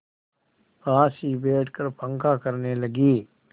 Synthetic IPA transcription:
paːsibeːʈʰkəɾpə̃ŋkakɐɾnelɐɡiː

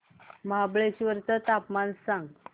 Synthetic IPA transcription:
məɦabɭet͡ɕiʋəɾt̪ət̪apmansãŋɡ

